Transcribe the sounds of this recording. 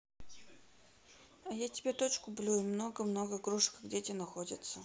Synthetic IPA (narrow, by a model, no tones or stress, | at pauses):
ɐjatʲɪbʲet̪ot͡ɕkʊblʲuimnoɡəmno̞ɡəɡɾuʂkɡdʲetʲenɐxodʲɪ̰t̪sə